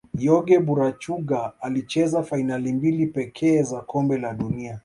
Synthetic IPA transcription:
jɔɡɛɓuɾat͡ʃuɡaalit͡ʃɛzafainalimbilipɛkʰɛːzakɔmbɛlaɗunia

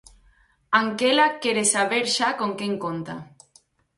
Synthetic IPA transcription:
aŋkelakeɾesaβeɾʃakoŋkeŋkont̪a

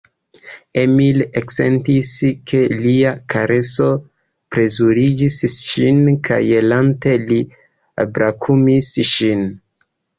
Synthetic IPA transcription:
e̞milekse̞̰ntiskʰe̞liakaɾe̞so̞ | pɾe̞zuɾid͡ʒisʃinkʰa̰jelante̞li | a̰bɾakʰumisʃin

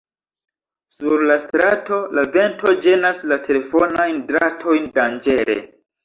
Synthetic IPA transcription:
suɾlastɾato̞labe̞ntʰo̞d͡ʒe̞naslatʰe̞le̞fo̞najndɾatʰo̞jndand͡ʒe̞ɾe̞̰

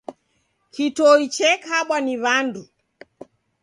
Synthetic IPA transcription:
kitɔit͡ʃɛkaɓwaniβandu

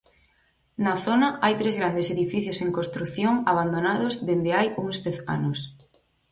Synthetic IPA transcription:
naθonaajt̪ɾezɣɾand̪eseðifiθjoseŋkost̪ɾuθjoŋaβ̞and̪onaðozðend̪eajuŋsd̪ɛθa̰nos

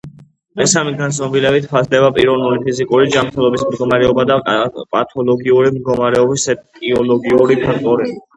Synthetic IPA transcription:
mɛsamiɡansʼnɔbilɛbit̪ʰpʰazd̪ɛbapʼiɾɔvnulipʰizikʼuɾid͡ʒamɾt̪ʰɛlˠɔbismd̪ɡɔmaɾɛɔbad̪apʼat̪ʰɔlˠɔɡiuɾimd̪̚ɡɔmaɾɛɔbisɛkʼiɔlɔɡiuɾipʰak̚ʰt̪ʼɔɾii

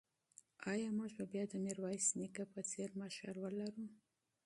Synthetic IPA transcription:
ɑjɑmuʒbabjɑd̪əneɾwɑjsnikapət͡seɾmaʃa̰lwəlaɾu

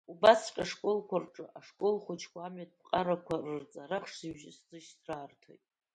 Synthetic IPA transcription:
ubasqʲʼaʂkʼolkʷʰarʈ͡ʂʼɨʔaʂkʼolχʷʊt͡ʃʰkʷʰaːmɥat̚ʰʼp̚qʼaɾakʷʰarɨrt͡sʼaɾaχʂziʒɪszɨʃsraːrtʰo̰jtʼ

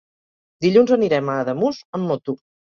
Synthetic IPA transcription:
d̪iʎunzəniɾɛmaːðəmuzəmːot̪u

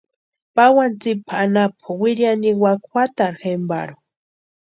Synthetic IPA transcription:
pawant͡sipʰaanapʰawiɾjaniwakxʷat̪aɾxemba̰ɾo

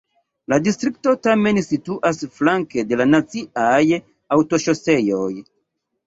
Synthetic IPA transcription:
ladistɾik̚to̞tame̞nsituʔasflaŋke̞de̞lanat͡siaj | awto̞ʃo̞se̞jo̞j

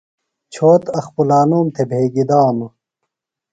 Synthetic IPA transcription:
t͡ɕʰoːt̪ɐxpulaːnuːmt̪ʰebʱeːɡid̪aːmɐ

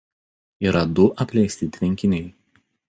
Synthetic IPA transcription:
iːɾɐd̪ʊʔɐpʲlʲɛɪsʲt̪ʲɪt̪ʲʋʲɪŋʲkʲɪnʲɛɪ

